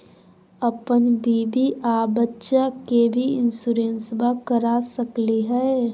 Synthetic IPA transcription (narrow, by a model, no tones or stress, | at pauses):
əpənbiːbiʔabətːʃakebʱiɪ̰nsuɾeːnsbakəɾasəkliɦɛe